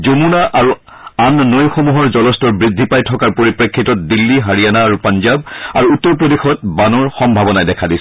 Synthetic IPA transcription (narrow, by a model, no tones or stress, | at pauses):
zomunaʔaɹu | annojxomuɦɔɹzɔlɔstɔɹbɹidʱːipajtʰɔkaɹpoɹipɹekʰːitɔt̚dilːiɦaɹijanaːɹupanzaba̰ɹuutːɔɹp̬ɹodixɔt̚banɔɹxɔmbʱabɔnajdɛkʰadisɛ̥